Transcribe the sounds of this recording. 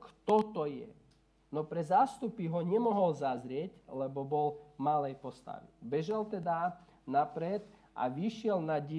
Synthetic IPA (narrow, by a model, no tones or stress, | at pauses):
kt̪ɔt̪ɔjɛ̰ | nɔpɾɛzaːst̪upiɦɔɲɛmɔɦɔlzazɾɪɛɟlɛbɔbɔlmalɛjpɔst̪a̰ʋḭbɛʒɛlt̪ɛd̪a | napɾɛt̪ | ʔa̰ʋiʃɪɛlnaɟi